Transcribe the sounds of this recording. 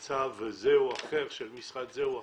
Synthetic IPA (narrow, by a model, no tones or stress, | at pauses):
t͡sʰavezeuaχeʁʃelmisχat̪zeua